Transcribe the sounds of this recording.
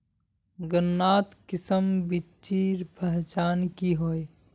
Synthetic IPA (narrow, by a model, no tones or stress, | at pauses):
ɡənːaːt̪kɪsəmbi | t͡ʃiːɾbʱəɦt͡ʃaːnkiɦoːe